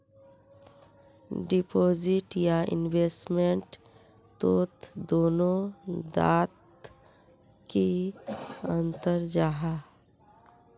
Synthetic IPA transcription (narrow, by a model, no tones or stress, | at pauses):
ɖɪpoːd͡ʒɪʈjaɪ̰nʋeːsʈmẽɳʈ | t̪oːt̪d̪oːnõd̪a̰ːt̪ | ki | ə̃nt̪əɾd͡ʒaːɦa